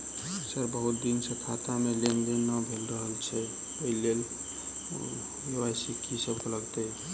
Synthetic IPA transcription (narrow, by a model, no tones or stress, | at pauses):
səɾbəɦut̪̚d̪insə̃k̪ʰat̪amelend̪enːəbʱelɾəɦəlt͡ʃʰɛ | əilːel | jewasikʰisəbkeləɡt̪ɛ